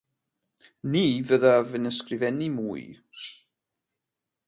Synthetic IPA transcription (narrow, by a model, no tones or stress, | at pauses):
niːvəðavɨnəskrɪvɛnimuːɨ